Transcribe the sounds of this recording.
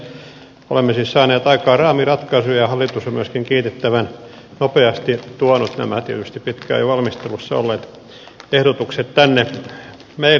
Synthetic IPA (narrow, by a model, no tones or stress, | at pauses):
o̰lemːesiːssɑːneːt̪ɑikɑːrɑːmirɑt̪kɑsujɑhɑlːˑit̪usomyæskiŋkiːt̪et̪ːæʋæn | nopeɑst̪it̪uɑnut̪næ̰mæt̪ḭt̪yst̪ippit̪kæ̰ːjʋɑlmist̪elusːɑo̰lːeːt̪ | ehɾot̪ukset̪t̪ænːe | mei